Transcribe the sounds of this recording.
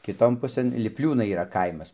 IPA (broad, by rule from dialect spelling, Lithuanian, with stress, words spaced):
kʲɪˈtoːn ˈpʊsɘn lʲɪpʲˈlʲuːnɐɪ iːˈrɐ ˈkɐɪmɐs